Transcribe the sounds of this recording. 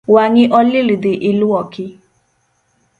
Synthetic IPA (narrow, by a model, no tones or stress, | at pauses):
waɲĩʔɔlilidiʔiluɔkʰi